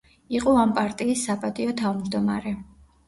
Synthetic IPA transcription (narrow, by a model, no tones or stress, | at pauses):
iqʼɔampʼaɾt̪ʼiːsːapʼad̪ʼiɔt̪ʰavmd͡ʒd̪ɔma̰ɾɛ